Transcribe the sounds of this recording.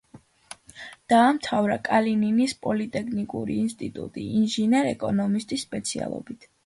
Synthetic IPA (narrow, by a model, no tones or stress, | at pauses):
d̪̥aːmt̪ʰavɾa̰kʼalininispʼɔlit̪ʼɛkʰnikʼuɾiːnst̪ʼit̪ʼṵt̪ʼiːnʒinɛɾɛkʼɔnɔmist̪ʼisːpʼɛt̪sʰia̰lˠɔ̰bit̪ʰ